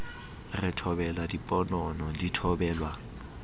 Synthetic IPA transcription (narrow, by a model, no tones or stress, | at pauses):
rɪtʰɔbɛlwadipʼɔnɔnɔditʰɔbɛːlwa